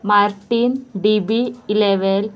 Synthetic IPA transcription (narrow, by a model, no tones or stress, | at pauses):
maɾʈːiːnɖibiileʋel